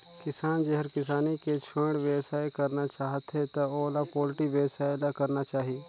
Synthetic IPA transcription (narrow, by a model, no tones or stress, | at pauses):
kɪsaːnd͡ʒeɦəɾkɪs̬aːniket͡ʃʰə̃ːɽʋjeʋsaːekɐɾnat͡ʃaːɦət̪ɦet̪ɐoːlapoːlʈiʋjəʋsaːelakɐɾnat͡ʃaːɦie